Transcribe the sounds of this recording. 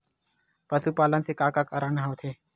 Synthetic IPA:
pəsupaːlənsekakakəɾaɳɦawt̪ʰe

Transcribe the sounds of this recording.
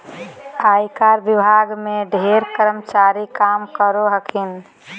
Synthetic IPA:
ajkaɾbibʱaɡmeɖʱeɾkəɾəmət͡ʃaɾikamkəɾoɦəkʰin

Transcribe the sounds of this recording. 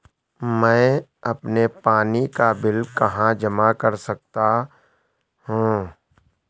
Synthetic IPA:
mɛ̃ːɐpnepaːnikabɪlkɐɦãd͡ʒɐmakɐɾsɐk̚t̪a | ɦũ

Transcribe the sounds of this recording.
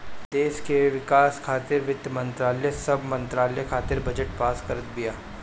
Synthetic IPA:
d̪̥eːʃkeʋɪkaːskʰaːt̪ɪɾʋɪd̪əmɐ̃nt̪ɾaːlesɐbmɐ̃nt̪ɾaːlɛkʰaːt̪ɪɾbɐd͡ʒəʈpaːskɐɾət̪̚bijaː

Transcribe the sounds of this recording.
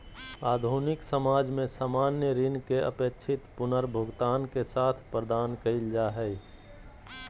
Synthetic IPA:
aːd̪ʱunɪksəmaːd͡ʒmẽsaːmaːnjəɾɪnkeʔə̰peːt͡ʃʰɪt̪pʊnəɾbʱʊɡt̪aːnkesaːt̪ʰpɾəd̪aːnkəɪld͡ʒaːɦɛɪ

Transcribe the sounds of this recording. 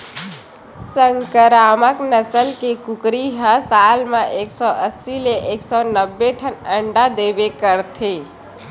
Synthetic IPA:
səŋkəɾaməknəsəlkekʊkɾiɦəsaːlmãʔeːksɔʔəsːileʔeːksɔnəbːeʈʰənə̃ɳɖad̪ebekəɾt̪ʰe

